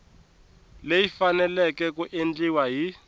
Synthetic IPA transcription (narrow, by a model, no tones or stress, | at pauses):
lejifanɛlɛk̬ɛk̬uʔend͡ɮiwaɦi